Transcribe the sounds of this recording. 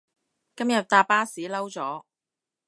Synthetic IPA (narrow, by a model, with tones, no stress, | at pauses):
kɐ˥mjɐ˨t̚t̪aː˧pːaː˥siː˨˥lɐ˥wt͡sɔː˨˥